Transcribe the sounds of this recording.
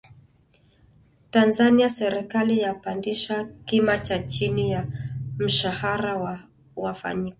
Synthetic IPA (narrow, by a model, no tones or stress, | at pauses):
tanzaniasɛɾikalijapandiʃakimat͡ʃat͡ʃinijam̩ʃahaɾaw | wafa̰ɲikɔ